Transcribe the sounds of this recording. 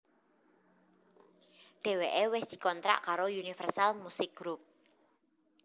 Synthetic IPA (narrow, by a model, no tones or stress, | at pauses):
ɖ̥e̤weʔewɪsd̪̥i̤kɔnt̪ɾa̰ʔkaɾojunifɛrsalmusɪk̚ɡ̥ɾup̚